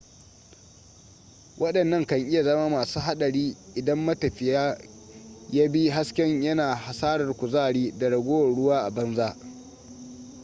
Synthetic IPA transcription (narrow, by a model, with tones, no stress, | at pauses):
wʔɐ˦ɗɐ˨nːɐ˦ŋkɐ˨ŋʔɪ˦ja˨zɐ˦maː˦maː˨suː˦ɦa˦ɗɐ˨ɽiː˦ʔɪ˨dɐ˦mːɐ˦tɐ˨ɸɪ˨jaː˦ | ja˦bi˦ɦa˦skʲɛ˦ɲjɐ˦naː˨ha˨saː˦ɾɐ˨rkʷʊ˨zaː˦˨ɽiː˦da˨ɽɐ˨ɡʷoː˦wɐ˨nɽʊ˦waː˦ʔa˨bɐ˦nzaː˦ʔ